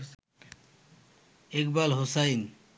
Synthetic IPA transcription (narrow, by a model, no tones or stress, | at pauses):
ekbalɦosajn